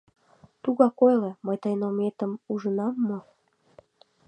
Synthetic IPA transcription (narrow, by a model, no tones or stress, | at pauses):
t̪uɣɑkojleməjt̪əjnomet̪ə̆muʒənɑmːo